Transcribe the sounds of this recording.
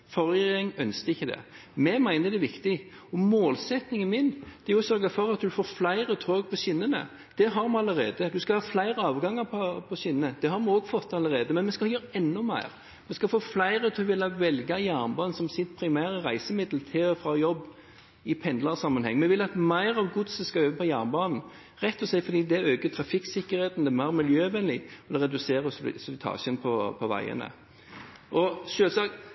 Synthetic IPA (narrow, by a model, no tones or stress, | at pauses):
fɔʁəɛŋœnskəɪçːəd̪ɛ̰ | mɛmæɪnəɾd̪ɛʋɪkt̪ɪ | ɔmoːlsɛt̪nɪŋənmɪnd̥̪ɛɾjʊsœɾɡəfɔɾɑt̪̚d̪ʉfoːflæɪɾət̪ʰoːɡ̚pʰɔsʏnːənə̰ | d̪̥ɛɦɑɾmɛɑləʁeːd̪əd̪ʉskɑlhɑːflæɪɾəɑːʋɡɑŋəɾpʰɔpʰɔsʏnənəd̪̥ɛhɑɾmɛɔːɡfɔt̪ːɑlːəɾeːd̪əmɛnmɛskɑjøːɾəɛnːʊmæ̰ɪɾ | mɛskɑfoːflæɪɾət̪ʰoʋɪlːɑʋɛlɡɑjæɾnbɑːnsɔmsɪt̪pʰɾɪmæːɾəɾæɪsəmɪd̪lt̪ʰɪfɾɑjɔbː | ɪpʰɛnd̪lɑʁsɑmːənhɛ̰ŋːmɛʋɪlːɑt̪mæɪɾɑʋɡʊd̪səskɑøːʋəpʰɔjæːɾnbɑːnn̩ | ɾɛt̪ːɔsæɪfɔɾd̪iːd̪ɛæøːkət̪ʰɾɑfɪksɪkːəɾheːt̪n̩d̪ɛmæɪɾmɪljøːʋɛnlɪɔd̪ɛɾɛd̪ʉseːɾəsɔɪ̰sɔʋɪt̪ʰɑ̰ːçənpʰɔpʰɔʋæ̰ɪə̰nə̰ | ʔɔʃøːlsɑk